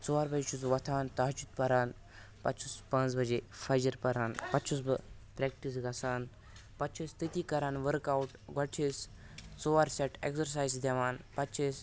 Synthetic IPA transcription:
t͡soʋaːɾbɐd͡ʒet͡ʃʰusʋɐt̪ʰaːnt̪aːt͡ʃut̪̚pɐɾaːn | pɐ̰tt͡ʃʰuspɐ̃nt͡sbɐd͡ʒeːfɐːd͡ʒɐɾpɐɾaːnpɐtt͡ʃʰus̬bɨ | pɾek̚ʈis̬ɡɐsaːn | pɐtːt͡ʃʰist̪ʰit̪iːkɐɾaːnʋəɾkawʈɡɐt͡ʃʰeːs | t͡soʋaːɾseʈḛksɐɾsaːjzd̪ɐʋaːnpɐtt͡ʃʰes

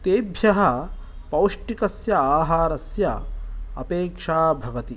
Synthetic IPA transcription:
t̪eːbʱjɐɦɐ | pɐwʂʈikɐsjɐaːɦaːɾɐsjɐɐ̰peːkʂaːbʱɐɡɐt̪i

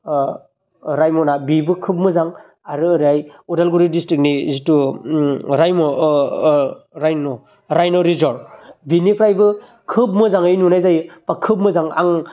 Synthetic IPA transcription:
ɾajmɔnabibɯkʰɯp̚mɯzaŋ | aɾɯːɾiajudalɡuɾidistɾik̚nizitu | ɾajmɔ | ɾajnɔ | ɾajnɔɾizɔɾbinipʰɾajbɯ | kʰɯp̚mɯzaŋɯjnunajzajpakʰɯp̚mɯzaŋa̰ŋ

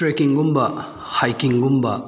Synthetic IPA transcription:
ɾekiŋɡumbɐ | hajkiŋɡumbɐ

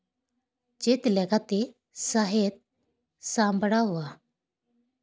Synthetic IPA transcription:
d͡ʑet̪lɛɡat̪e | saɦet̪̚ | sãmbɽaʋa

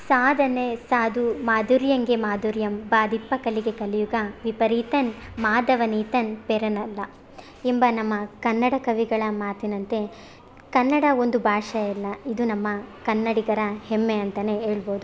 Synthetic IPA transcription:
saːd̪ʱɐnesaːd̪umaːd̪uɾjɐŋɡemaːd̪uːɾjɐmbaːd̪ʱipːɐkɐliɡe̞kɐlijuɡɐʋipɐɾiːt̪ɐnmaːd̪ɐʋɐniːt̪ɐnpeɾɐnɐlːɐ | imbɐnɐmːɐkɐnːɐɽɐkɐʋiɡɐɭɐmaːt̪inɐnt̪e̞ | kɐnːɐɽɐo̞nd̪ubʱaːʂɐilːɐid̪unɐmːɐkɐnːɐɽiɡɐɾɐhemːeɐnt̪ɐne̞eːɭboːd̪u

